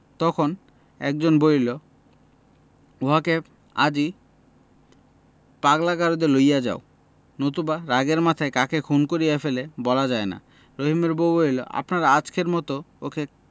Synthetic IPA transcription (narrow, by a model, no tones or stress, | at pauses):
t̪ɔkʰon | ɛ̰k̚d͡ʑonbolilo | oɦake | a̰d͡ʑi | paɡlaɡaɾod̪elojad͡ʑa̰o | not̪̬ubaɾaɡeɾmat̪ʰaekakekʰunkoɾijafelebɔlad͡ʑaena̰ | ɾoɦimeɾbobolilo̰ʔa̰pnaɾaat͡ɕkeɾmɔt̪ookʰe